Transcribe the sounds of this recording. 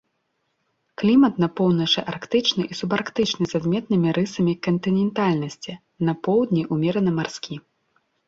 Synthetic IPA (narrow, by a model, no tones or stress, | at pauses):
klʲimɐt̪nɐpɔwnɐt͡ʂɨʔarkt̪ɨt͡ʂnɨʔisubarkt̪ɨt͡ʂnɨzad̪mʲɛt̪nɨmʲiɾɨsɐmʲikɐnt̪ɨnʲɛnt̪alʲnɐsʲt͡sʲi | nɐpɔwd̪ʲnʲiʔumʲɛɾɐnɐmarskʲi